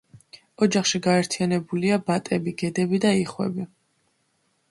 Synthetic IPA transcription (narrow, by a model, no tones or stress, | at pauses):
ɔd͡ʒaχʃiɡaɛɾt̪ʰianɛbuliabat̪ʼɛbiɡɛd̪ɛbid̪aiχwɛ̰bi